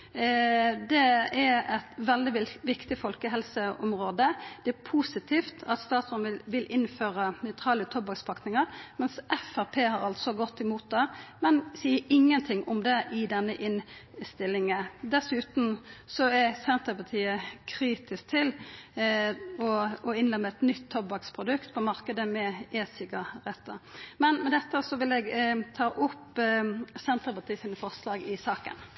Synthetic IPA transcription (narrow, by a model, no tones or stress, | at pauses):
d̪ɛɛɾɛt̪ʋɛld̪ɪɪʋɪkt̪ɪfɔlkəɦɛlsəɔmɾoːd̪əd̪̥ɛæɾpʰuːsɪt̪ʰiːft̪ʰɑt̪st̪ɑːt̪sɔnɪʋɪlʔɪnføːɾənœʏt̪ʰɾɑːlət̪ʰɔbɑkspʰɑknɪŋəɾmɛnsʔɛfæpʰeːhɑɾɑlt̪sɔɡɔt̪ːɪmuːt̪̚d̪ɛmɛnsiːəʔɪŋːənt̪ʰɪŋʔɔmd̪ɛʔɪd̪ɛnːəʔɪnst̪ɪlːɪŋəd̪ɛsʉːt̪n̩sɔɛsɛnt̪əpɑt̪ʰiːəkʰɾiːt̪ɪsk̚t̪ʰɪl | ɔɔɪnlɛmːəɛt̪nʏt̪ʰːɔbɑkspʰɾʊd̪ʉkt̪pʰɔmɑɾkəd̪əmɛɛsɪkəɾɛt̪ːəmɛnmɛd̪ɛt̪ːəsɔʋɪlɛɡt̪ʰɑːʔʊpː | sɛnt̪əɾpɑt̪ʰiːəsiːnəfɔʁslɑːɡɪsɑːkə̰n